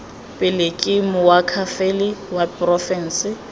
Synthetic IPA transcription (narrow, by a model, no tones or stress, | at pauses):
pʼɪlɪkʼimʊwakʰafelɪwapʼrɔfɛn̩sɪ